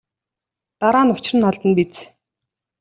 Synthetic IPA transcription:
t̪aɾaːnʊt͡ɕɪrɘ̆nːɔɮt̪ə̆npit͡s

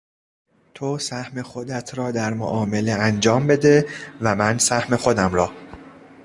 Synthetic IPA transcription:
t̪ʰosæhme̞xod̪æt̪ʰɾɒːd̪æɾmo̰ʔɒːme̞le̞ænd͡ʒɒːmbe̞d̪e̞væmænsæhme̞xod̪æmɾɒː

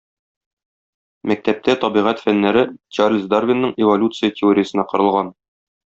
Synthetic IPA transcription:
mæk̚t̪æp̚t̪æt̪ɒbiʁæt̪fænːæɾɘt͡ɕarlʲzd̪arvʲɪnːɤɴɪvolʲut̪sɨjətʲɪoɾʲɪjəsɤ̆nɑqɤ̆ɾɤ̆lˠʁɑn

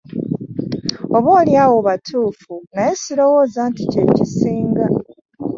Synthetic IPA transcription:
o̞βoːljaːwo̞βatʰuːfunaje̞siɾo̞wo̞ːzaːnticeɾicisiːŋɡa

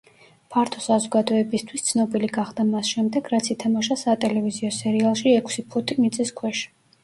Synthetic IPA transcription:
pʰaɾt̪ʰɔsazɔɡad̪ɔɛbist̪ʰwist̪sʰnɔbiliɡaχd̪amasʃɛmd̪ɛɡɾat̪sʰit̪ʰamaʃasat̪ʼɛlɛviziɔsɛɾialˠʃiɛkʰsipʰɔt̪ʰʼimit̪sʼiskʰwɛʃ

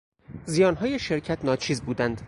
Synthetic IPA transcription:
zijɒːnɦɒːjeʃeɾcʰæt̪ʰnɒːt͡ʃʰiːzbuːd̪ænd̪̥

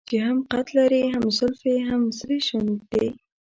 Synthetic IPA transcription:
t͡ʃeɦamqat̪laɾiɦamzʊlfeɦamsɾeʃand̪e

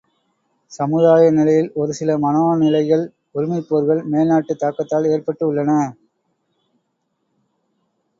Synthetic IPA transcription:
sɐmɯðaːjɐnɪlɐjɪlɔɾɯsɪlɐmɐnoːnɪlɐɪɣɐɭ | ʊɾɪmɐɪpːoːɾɣɐɭmeːlnaːʈːɯt̪ːaːkːɐt̪ːaːleːɾpɐʈːɯʊɭːɐnɐ

